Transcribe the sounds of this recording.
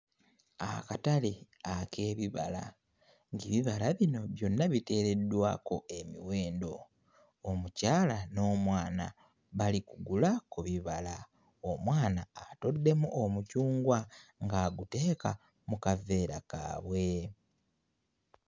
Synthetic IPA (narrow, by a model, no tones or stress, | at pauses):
a̰katale | akʰe̞ːβiβa̰la̰ | ŋɡiβiβalaβino̞βjo̞nːaβite̞ːɾe̞dːwa̰ːko̞e̞miwe̞ːndo̞ː | mucaːlano̞ːmwaːna̰ | βalikuɡulakuβiβala | omwaːnaːtodːe̞muʔomucuːŋɡwaŋɡaɡute̞ːka | mukave̞ːɾa̰ka̰ːβwe̞